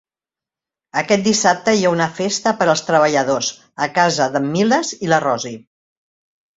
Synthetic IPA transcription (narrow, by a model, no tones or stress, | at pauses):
əkɛt̪̚d̪isap̚t̪əiaunəfest̪əpəɾəlˠst̪ɾəβəʎəðos | əkazəðəmːiləzilərɔzi